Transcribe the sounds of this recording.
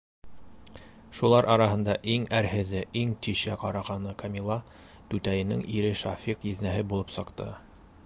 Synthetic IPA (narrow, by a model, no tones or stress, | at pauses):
ʃulˠɑɾʔɑɾɑɦɤ̆nd̪ɑʔiŋæɾhɘ̆ðɘʔiŋt̪iʃæqɑɾɑʁɑnɤkʰɑmʲilˠːɑ | t̪ʉt̪æjɘ̆nɘ̰ŋiɾɘʃɑfiqjɘ̆ðnæɦɘbulˠɤpsɤ̆qt̪ɤ̰